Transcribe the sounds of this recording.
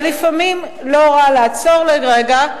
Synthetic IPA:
lifamim | lo̞ʁalaat͡so̞ʁleʁeɡa

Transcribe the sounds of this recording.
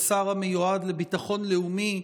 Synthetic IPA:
saʁamejuadlebitaχo̞nleumi

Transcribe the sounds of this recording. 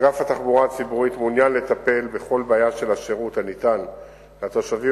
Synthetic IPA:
ɡafat̪aχbuʁaat͡sibuʁit̪munjanle̞t̪ape̞lbe̞χo̞lbaːjaʃe̞laʃeʁut̪hanit̪an | lat̪oʃavi

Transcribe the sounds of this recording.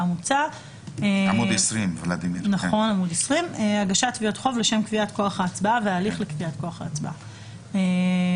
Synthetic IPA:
amut͡sa | eamudesʁimvlad̪imnaχo̞namudesʁimeaɡaʃat̪viotχo̞vleʃe̞mkviatko̞aχaːt͡sbaveaːliχlekviatko̞aχa̰ːt͡sba̰ | e

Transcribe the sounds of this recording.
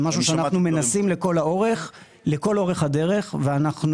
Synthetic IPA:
maʃuʃeanaχnume̞nasimleko̞lao̞ʁe̞χ | leko̞lo̞ʁeχhad̪e̞ʁe̞χveanaχn

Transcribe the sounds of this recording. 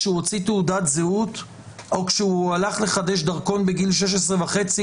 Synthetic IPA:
ʃeuot͡siteudat̪zeut | o̞kʃeualaχle̞χad̪eʃd̪aʁko̞nbeɡilʃ̬eʃ̬esʁevaχe̞t͡si

